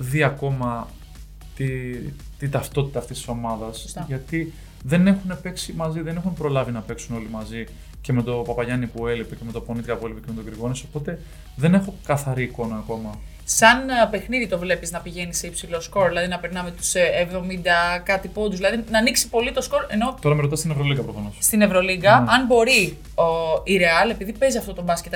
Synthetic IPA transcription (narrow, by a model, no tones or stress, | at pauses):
ðiɐko̞mɐ | t̪it̪it̪ɐft̪o̞t̪i̥t̪ɐːft̪ist̪i̥so̞mɐðɐsʝɐt̪i | ðe̞ne̞xune̞pe̞ksimɐziðe̞ne̞xunpɾo̞lɐvinɐpe̞ksuno̞limɐzi | ceme̞t̪o̞pɐpɐʝɐnipue̞lipeceme̞t̪o̞po̞nit̪ikɐpue̞lipeceme̞t̪oɡɾiɣo̞niso̞po̞t̪e̞ | ðe̞ne̞xo̞kɐθɐɾiːko̞nɐːko̞mɐ | sɐnpe̞xniðit̪o̞vle̞piznɐpiʝe̞niseipsilo̞sko̞ɾðilɐðinɐpeɾnɐmet̪u̥sevðo̞mind̪ɐkɐt̪ipod̪uzðilɐðinɐːniksi̥po̞lit̪o̞sko̞ɾe̞no̞t̪o̞ɾɐmeɾo̞t̪ɐst̪inevɾo̞liɡɐpɾofɐno̞sst̪ine̞vɾo̞liɡɐɐnbo̞ɾi | oiɾeɐle̞piðipe̞ziɐft̪ot̪o̞bɐsce̞t̪